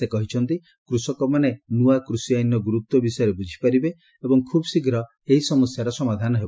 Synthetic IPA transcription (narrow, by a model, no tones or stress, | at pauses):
ekɔɦit͡ʃʰɔnt̪i | kɾusɔkɔmanenuakɾusijajnɔɡuɾut̪wɔbisɔjɾebud͡ʒʱi̥paɾibe | ebɔŋkʰubɔsiɡɾɔ | eɦisɔmɔsjaɾɔsɔmad̪ʱanɔɦebɔ